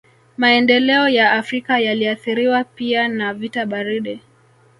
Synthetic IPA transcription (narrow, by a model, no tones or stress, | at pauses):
maɛndɛlɛɔjaːfɾikajaliaθiɾiwapianavitaɓaɾiɗɛ